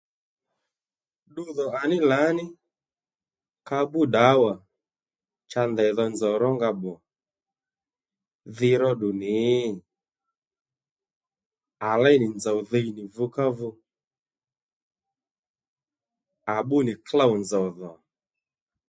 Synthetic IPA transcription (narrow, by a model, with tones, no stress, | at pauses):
ɗʊ˦ðɔ˨a˨nɪ˦la˨˦nɪ˦ | ka˧˦ɓʊ˦ɗa˨˦wa˨ | t͡ʃa˧ndɛ˨ðɔ˧nd͡za˨ɾɔ˦ŋɡa˧ɓɔ˨ | ðɪ˧ɾɔ˦ɗʊ˨nɪ˨˦ | a˨lɛ˦nɪ˨nd͡za˨wðe˧jnɪ˨vʊ˧ka˦vʊ˧ | a˨ɓʊ˦nɪ˨kla˦wnd͡zɔ˨ðɔ˨